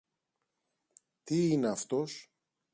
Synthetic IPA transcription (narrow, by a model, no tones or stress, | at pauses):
t̪iine̞ɐft̪o̞s